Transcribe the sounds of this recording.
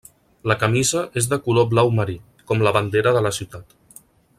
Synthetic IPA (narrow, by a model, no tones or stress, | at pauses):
ləkəmizəʔezðəkuloblawməɾi | kɔmləβənd̪eɾəðələsiwt̪at̪